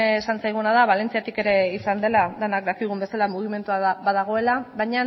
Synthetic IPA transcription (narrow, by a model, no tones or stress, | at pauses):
sansajɣunað̞aβ̞ale̞nt͡siat̪ike̞ɾe̞isand̪e̞laðenak̚d̪akiɣumbesalamuɣ̞ime̞nt̪uaβaðaɣ̞o̞e̞laβajɲa